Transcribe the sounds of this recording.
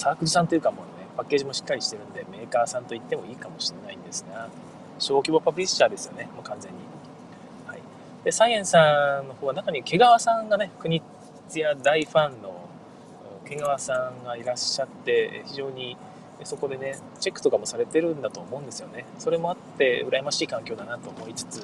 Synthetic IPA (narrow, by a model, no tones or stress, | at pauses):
saːkɯ̟d͡ʑisãnt̪o̞jɯ̟kamoːne̞pakːe̞ːʑimo̞ɕi̥kːaɾʲiɕi̥t̪e̞ɾɯ̟̃nd̪e̞me̞ːkaːsãnt̪o̞it̪ːe̞mo̞iːkamo̞ɕinnːaĩnd̪esɨɡa | ɕo̞ːkʲibopapɯɾʲist͡ɕaːd̪e̞sɨ̥jo̞ne̞mokãnd͡zẽ̞ɲ̟ːi | haḭ | d̪̥e̞saiẽ̞ɰ̃sãnːo̞ho̞ːβanakaɲ̟ike̞ɡaβasãŋɡane̞kɯ̟ɲ̟i | t͡sɨjad̪aiɸãnːo̞ | ɯke̞ɡaβasãŋɡaiɾaɕːat̪ːe̞̰çiʑo̞ːɲ̟i | so̞ko̞d̪e̞ne̞ | t͡ɕe̞kːɯ̥t̪o̞kamo̞saɾe̞t̪e̞ɾɯ̟̃nd̪at̪o̞ːmo̞ɯ̃nd̪e̞sɨjo̞ne̞so̞ɾe̞mo̞at̪ːe̞ɯ̟ɾajemaɕiːkãŋkʲo̞ːd̪anat̪o̞ːmo̞it͡sɨ̥t͡sɨ